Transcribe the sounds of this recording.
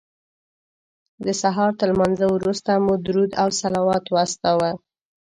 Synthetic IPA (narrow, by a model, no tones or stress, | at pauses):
d̪əsaɦɑɾt̪əlmanzawɾust̪amud̪ɾud̪awsalɑwɑt̪wɑst̪ɑwə